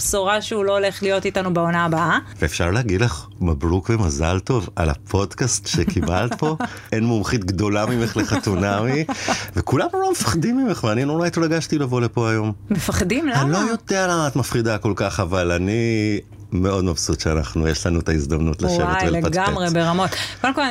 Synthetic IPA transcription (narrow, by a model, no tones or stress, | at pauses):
bsoʁaʃeuloole̞χlijo̞titanubeonaːbaʔaveːfʃaʁlehaɡid̪leχmabʁukvemaza̰lto̞va̰la̰pʰo̞dkastʃekibalt̪̚bo̞ | ʔenmomχit̪ɡd̪o̞lamimeχleχat̪unamivekulamlomefḁχdimːimeχveaninoʁajt̪laɡaʃtilavo̞lepo̞ajo̞mmefaχdimlanlo̞jo̞dealaat̪mafχidako̞lkaχavalani | meo̞d̪mafsut̪ʃeanaχnujeʃlanuet̪aizd̪amnutleʃʃwḛvevelaɡamʁebeʁamo̞tkodemkol